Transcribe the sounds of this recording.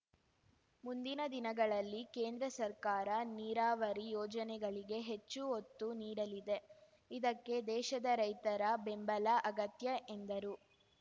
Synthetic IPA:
mund̪inɐd̪inɐɡɐɭɐlːike̞ːnd̪ɾɐsɐɾkaːɾɐniːɾaːʋɐɾijɔːd͡ʒɐnɛɡɐɭiɡe̞ɦe̞t͡ʃːuot̪ːuniːɽɐlid̪e̞ | id̪ɐkːe̞d̪ɛːʃɐd̪ɐɾɐjt̪ɐɾɐbembɐlaʔɐɡɐt̪jɐʔend̪ɐɾu

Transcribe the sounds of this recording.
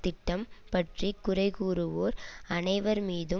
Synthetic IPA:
t̪ɪʈːɐmpɐʈrikʊrɐɪɣuːɾɯʋoːɾɐnɐɪʋɐɾmiːðɯ

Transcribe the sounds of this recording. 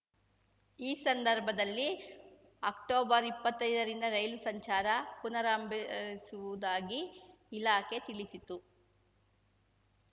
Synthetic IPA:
iːsɐnd̪ɐɾbʱɐd̪ɐlːi | ɐk̚ʈoːbɐɾipːɐt̪ːɐjd̪ɐɾind̪ɐɾɐjlusɐɲt͡ʃaːɾɐpunɐɾaːmbisuʋud̪aːɡiː | laːket̪iɭisit̪u

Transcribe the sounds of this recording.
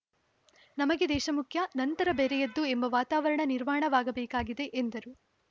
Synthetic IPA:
nɐmɐɡe̞d̪ɛːʃɐmukʰjɐnɐnt̪ɐɾɐbeːɾɛjɐd̪ːue̞mbɐʋaːt̪aːʋɐɾɐɳɐniɾmaːɳɐʋaːɡɐbɛːkaːɡid̪e̞ʔend̪ɐɾu

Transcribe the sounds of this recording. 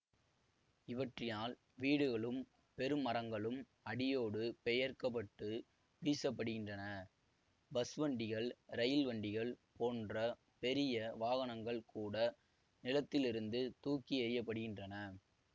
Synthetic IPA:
ɪʋɐʈrɪnaːl | ʋiːɽɯɣɐɭɯm | pɛɾɯmːɐɾɐŋɡɐɭɯm | ɐɽɪjoːɽɯpɛjɐɾkɐp̬ːɐʈːɯ | ʋiːsɐpːɐɽɯɣɪndrɐnɐ | bɐsʋɐɳɖɪɣɐɭɾɐjɪlʋɐɳɖɪɣɐɭpoːndrɐ | pɛɾɪjɐʋaːɣɐnɐŋɡɐɭkuːɽɐ | nɪlɐt̪ːɪlɪɾɯnd̪ɯt̪uːkɪɐɾɪjɐp̬ːɐɽɯɣɪndrɐnɐ

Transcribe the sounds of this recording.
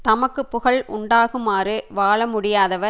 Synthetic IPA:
t̪ɐmɐkːɯpːʊɣɐɭʔʊ̰ɳɖaːɣɯmaːrɯʋaːɭɐmʊɽɪjaːðɐʋɐ

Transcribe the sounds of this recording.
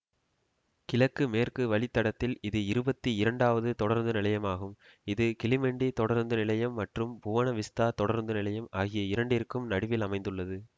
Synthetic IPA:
kɪlɐkːɯmeːrkɯʋɐɭɪt̪ːɐɽɐt̪ːɪlɪðɯɪɾɯbɐt̪ːiɪɾɐɳɖaːʋɐðɯt̪ɔɽɐɾnd̪ɯnɪlɐjɐmaːɣɯm | ɪðɯkɪlɪmɛɳɖit̪ɔɽɐɾnd̪ɯnɪlɐjɐmːɐʈrɯmbʊʋɐnɐʋɪst̪aːt̪ɔɽɐɾnd̪ɯnɪlɐjɐmaːɣɪjɐɪɾɐɳɖɪrkɯmnɐɽɪʋɪlɐmɐɪnd̪ɯɭːɐðɯ

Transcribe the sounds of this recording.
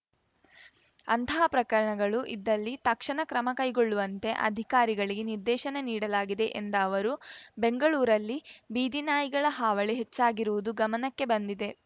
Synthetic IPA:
ɐ̰nt̪ʰɐɐpɾɐkɐɾɐɳɐɡɐɭuʔid̪ːɐlːit̪ɐkʂɐɳɐkɾɐmɐkɐjɡoɭːuʋɐnt̪e̞ʔɐ̰d̪ʱikaːɾiɡɐɭiɡeniɾd̪ɛːʃɐneniːɽɐlaːɡid̪e̞ʔend̪ɐːʋɐɾube̞ŋɡɐɭuːɾɐlːibiːd̪inaːjiɡɐɭɐɦaːʋɐɭeɦet͡ʃːaːɡiɾuʋud̪uɡɐmɐnɐkːe̞bɐnd̪id̪e̞

